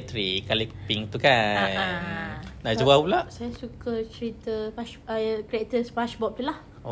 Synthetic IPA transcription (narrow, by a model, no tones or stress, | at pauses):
t̪ɾikalikupiŋt̪ukannad͡ʒuwapulaʔsajasukət͡ʃəɾit̪əpaʃkɾiɛk̚t̪əspaʃbɔp̚t̪ulah | o